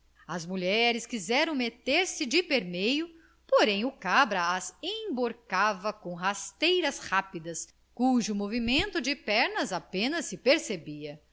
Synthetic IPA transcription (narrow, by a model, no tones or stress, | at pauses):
ɐzmuʎɛɾɪskizɛɾɐ̃w̃met̪eɾsɪd͡ʒɪpeɾmejʊ | poɾẽj̃ʊkabɾɐazẽj̃boɾkavɐkõw̃ɦast̪ejɾɐshapid̪ɐs | kuʒʊmovimẽnt̪ʊd͡ʒɪpɛɾnɐzapẽnɐsːɪpeɾsebiɐ